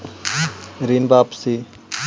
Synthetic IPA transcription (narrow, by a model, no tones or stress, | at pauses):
ɾinbaːpsi